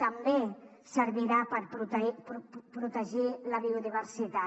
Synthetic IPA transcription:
t̪ambe | səɾβiɾapəɾpɾu | pɾut̪əʒilaβiuðiβəɾsit̪a

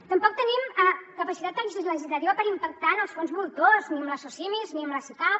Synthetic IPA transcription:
t̪əmpɔk̚t̪ənimakəpəsit̪at̪d̪əis̬izləʒizlət̪iβəpəɾimpək̚t̪anəlˠsfonzβulˠt̪ozniəmləsosimizniəmləsika

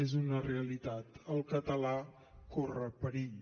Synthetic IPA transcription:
ezunəreəlit̪at̪əlˠkət̪əla | korəpəɾiʎ

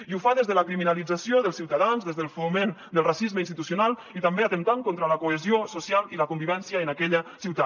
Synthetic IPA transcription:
iufaðezðələkɾiminalid͡zasioðəlˠsiwt̪aðanzðezðəlˠfumend̪əlˠrasizməinst̪it̪usunalˠit̪ambeat̪ənt̪aŋkont̪ɾələkoəziosusialˠiləkumbiβɛnsjəːnakɛʎəsiwt̪a

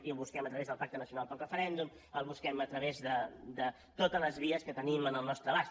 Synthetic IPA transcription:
ilˠβuskɛmət̪ɾəβezðəlˠpak̚t̪ənəsiunalˠpəlˠrəfəɾɛnd̪um | əlˠβuskɛmət̪ɾəβezðəd̪ə | t̪ot̪ələzβiəskət̪ənimənəlˠnɔst̪ɾəβas

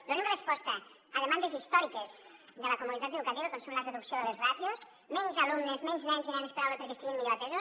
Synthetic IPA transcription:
d̪oɾemrespɔst̪ɐː | ðemand̪ezist̪ɔɾikez̥ðəlakomunit̪at̪eðukat̪iβəkonsumləreðuksjoðəlezrat̪jos | mɛnzalumnezmɛnznɛnzinɛnespeɾawlepeɾkest̪iɣimːiʎoat̪ɛzo

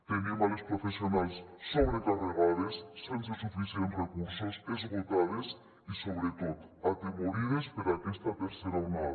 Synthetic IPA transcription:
t̪enimalespɾofesionajsːoβɾekareɣaðesːensesufisjenrekuɾsasezβot̪aðes | isoβɾet̪ot̪at̪emoɾiðespeɾakɛst̪ɐt̪eɾseɾawna

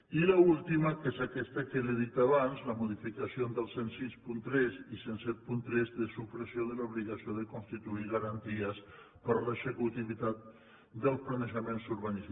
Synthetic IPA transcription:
ilaulˠt̪iməkezakɛst̪akeleðit̪aβanzləmuðifikasiond̪əlˠsensispunt̪ɾɛzisensɛt̪̚punt̪ɾɛzðəsupɾəsjoðəluβliɣasioðəkunst̪it̪uiɣaɾant̪iəs | pəɾləsəkut̪iβit̪at̪̚ | d̪əlˠsplanəʒəmensuɾβanis

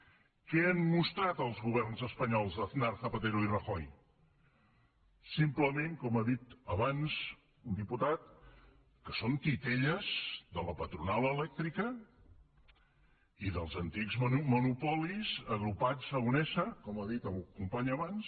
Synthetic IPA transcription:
kɛənmust̪ɾat̪əlˠzɣuβ̞ɛɾnzəspəɲɔlˠzðəθnaɾθəpət̪eɾuirəxɔj | simpləmeŋkɔmaðit̪əβanz | und̪iput̪at̪̚ | kəsont̪it̪eʎəz̥ðələpət̪ɾunalˠəlɛk̚t̪ɾikə | iðəlˠzənt̪ikzmənupɔlizəɣɾupazəɣunɛsəkɔmaðit̪əkumpaɲəβans

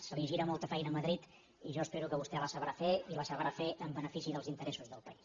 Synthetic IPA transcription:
səliʒiɾəmɔlˠt̪əfɛjnəməðɾit̪ | iʒɔəspeɾukəβust̪ɛləsəβɾafeiləsəβɾafeʔəmbənəfisiðəlˠzint̪əɾɛsuzðəlˠpəis

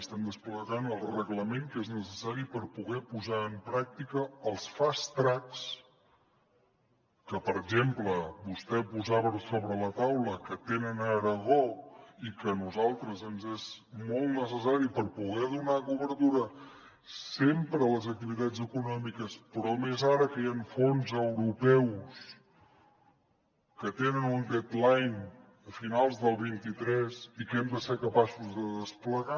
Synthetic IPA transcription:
əst̪ɛmd̪əspləɣanəlˠrəɣləmeŋkeznəsəsaɾipəɾpuɣɛpuzaəmpɾak̚t̪ikəːlˠsfast̪ɾaks | kəpəɾəɡʒempləbust̪ɛpuzaβəsoβɾələt̪awləkət̪enənəɾəɣɔikənuzalˠt̪ɾəzənzezmɔlˠt̪nəsəsaɾipəɾpuɣɛðunakuβəɾt̪uɾə | sempɾələzək̚t̪iβit̪ad͡zəkunɔmikəspɾɔmezaɾəkəjaɱfonzəwɾupɛws | kət̪enənund̪ɛt̪lajn | əfinalˠzðəlˠβint̪it̪ɾɛzikɛmd̪əsekəpasuzðəðəspləɣa

